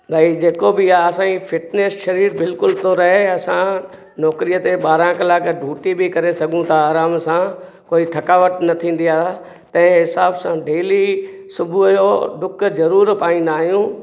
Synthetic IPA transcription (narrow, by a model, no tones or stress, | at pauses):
bʱɐid͡ʑeːkobɪaːɐsãːifʰɪʈneːsʃɐɾiːɾbɪlkʊlt̪ʰoɾɐɦeɐsã | nɔːkɾijət̪eɓaːɾãkɐlaːkɖʱuːʈibɪkɐɾesɐɡʱũt̪ʰaːɾaːmsã | koːit̪ʰɐkaːʋəʈnɐt̪ʰĩːn̆d̪ijaː | t̪ɐ̃ɦɪ̃ɦɪsaːbsãɖeːli | sʊbʱujoɖʊkʰzɐɾuːɾpaːĩnd̪aːɦijũː